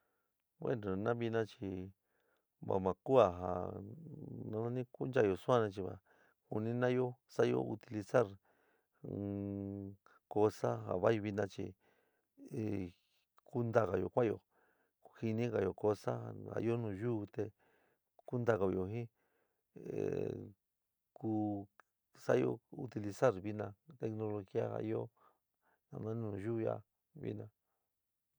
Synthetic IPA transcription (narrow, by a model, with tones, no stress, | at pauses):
wḛ˦no˨˧nã˦βi˧nã˦t͡ʃi˧ | βa̰˨mã˨ku˦a˨ɦa̰˧˨ | nã˧nã˦nĩ˦ku˦na˧˨jo˨sũ˦ã˦˧nã˧t͡ʃi˧βa̰˨ | ku˧nĩ˦nã˦jo˦sa˦jo̰˦ṵ˧t̪i˧li˧sa˦ɾ | ko˧sa˦ɦa̰˨βa˦ji˧βi˧nã˧t͡ʃḭ˧ | e˨ | ku˦nd̪a˦˧ɣa˨jo̰˨kʷã˦jo̰˧˨ | ku˧hi˧nĩ˦ɣa˧˨jo˨ko˧sa˦a˧a̰˨ḭ˦o˦nũ˨ʒuː˦˧t̪e˧ | ku˦nd̪a˦˨ɣa˧βi˧jo˨ɦĩ˦˨ | ku˧ | sa˦jo̰˧u˧t̪i˧li˧sa˦˨ɾβi˧nã˧t̪e˧kno˧lo˧xi˦a˦ha̰˧i˦o˦ | nã̰˧nã˦nĩ˦˧nũ˧˨ʒu˦˧ja̰˦˧ | βḭ˦nã˧